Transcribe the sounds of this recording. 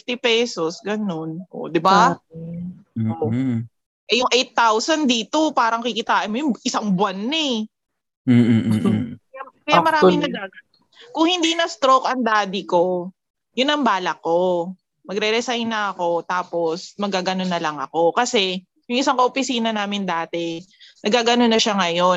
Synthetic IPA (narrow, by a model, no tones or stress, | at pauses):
ɪft̪ɪpɛːso̞sɡɐno̞nʔo̰ʔd̪ɪba | o | ʔɛjʊŋʔejt̪ːawsɐnd̪iːt̪o̞paːɾɐŋkɪkɪt̪aːʔɐnmojʊŋʔɪsaŋbwanːɛ | ɐjakɐjamɐɾaːmɪŋnɐɡaːɡɐn | kʊŋhɪnd̪iːnɐst̪ɾokʔɐŋd̪aːd̪ɪko̞ | jʊnɐŋbaːlɐkːo̞ | mɐɡɾɛɾɛsajnːɐʔɐko̞t̪aːpo̞smɐɡaːɡɐno̞nːɐlɐŋɐ̰ko̞kɐsɛ | jʊŋʔɪsaŋkɐʔopɪsiːnɐnaːmɪnd̪aːt̪ɛnʔɐɡaːɡɐnonɐʃaŋɐjo̞n